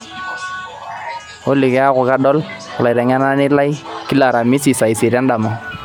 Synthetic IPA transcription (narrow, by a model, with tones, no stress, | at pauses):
o˦lɪ˨kɛ˦a˦kʊ˨ka˦dɔ˦l | kla˨ɾa˨ŋa˦na˦nɪ˦la˦jki˦la˨ɾa˨mi˦si˨sa˨i˨si˨ɾa˦nda˨ma˨